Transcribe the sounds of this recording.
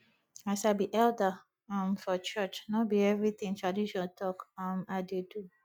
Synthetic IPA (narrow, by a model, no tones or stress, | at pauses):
asaɪbiʔɛldə | ãmfɔt͡ʃət͡ʃnɔbiɛvɹit̪ĩŋtɹadiʃɔtʰɔkãmaɪdedu